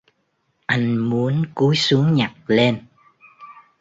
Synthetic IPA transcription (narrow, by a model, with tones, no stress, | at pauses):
ʔa˧jŋ̟mu˨˦ənku˨˦jsu˨˦əŋɲa˨˩k̚le˧n